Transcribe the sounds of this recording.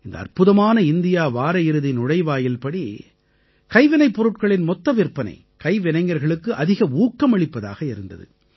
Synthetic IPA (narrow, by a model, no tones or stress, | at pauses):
ɪnd̪ɐ̰ɐ̰rpɯðɐmaːnɐɪnd̪ɪjaːʋaːɾɐjɪɾɯðɪnʊɽɐɪʋaːjɪlpɐɽi | kɐɪʋɪnɐɪpːɔɾɯʈkɐɭɪnmɔt̪ːɐʋɪrpːɐnɐ̰ɪ | kɐɪʋɪnɐɪŋːɡɐɾɣɐɭɯkːɯʔɐðɪɣɐuːkːɐmɐɭɪpːɐða̰ːɣɐɪɾɯnd̪ɐ̰ðɯ̰